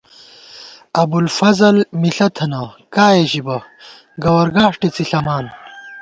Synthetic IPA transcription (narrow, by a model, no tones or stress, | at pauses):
ɐbulfɐzɐlmiɬɐt̪ʰɐnɐkaːjeɕibɐ | ɡɐwɐɾɡaːʂʈit͡siɬɐmaːn